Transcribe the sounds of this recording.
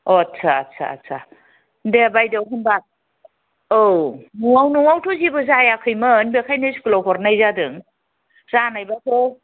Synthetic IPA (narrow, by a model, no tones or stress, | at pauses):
ɔt͡sʰat͡sʰa̰sʰa̰ | ndebajdewɦɯnba | onuŋawnuŋawtʰozibɯzajakʰɯjmɯːnbekʰajneskɯloɦɔɾnajzadɯŋ | zanajbakʰo